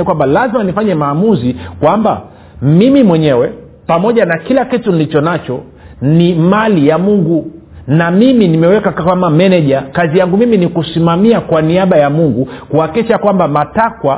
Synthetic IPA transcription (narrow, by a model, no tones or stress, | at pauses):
kwambalazimanifaɲɛmaːmuzikwamba̰ | mimimwɛɲɛwɛ | pamɔʄanakilakitunilit͡ʃɔnat͡ʃɔ | nimalijamuŋɡu | namiminimɛwɛkakamamɛnɛʄakazijaŋɡumiminikusimamiakwaniaɓajamuŋɡukuhakiʃakwambamatakwa